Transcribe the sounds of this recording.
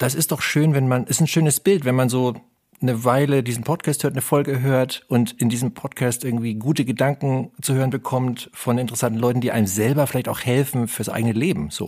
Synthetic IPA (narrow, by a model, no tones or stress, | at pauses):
d̥as̬ɪst̚d̥ɔχʃøːnvɛnmanʔɛsn̩ʃøːnəsb̥ɪltv̥ɛnmanzoː | nəvaɪlədiːzn̩pʰɔtkʰaːsthøːɐtnəfɔlɡəɦøːɐtʔʊntɪndiːzəmpʰɔtkʰaːstʔɪɐɡŋ̩tv̥iːɡuːtəɡədaŋkŋ̩t͡suhøːʁənbəkʰɔmtfɔnɪntəʁɛsantn̩lɔʏtn̩diːʔaɪnəmzɛlbɐfɪlaɪçtaʊxhɛlfn̩fyːɐsʔa̰ɪɡənəleːbm̩z̥o̰ː